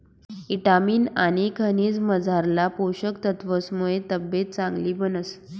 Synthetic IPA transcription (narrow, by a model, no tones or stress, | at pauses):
iʈamiːnaɽ̃ikʰəniːd͡zməd͡zʱaɾlapoɕəkt̪ət̪ʋəsmuɭet̪əbjet̪̚t͡sãŋɡliːbənəs